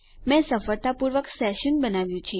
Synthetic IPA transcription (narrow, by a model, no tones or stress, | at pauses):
mɛ̃səfəɾt̪apuɾʋəksɛʃənbənaʋjũt͡ʃʰi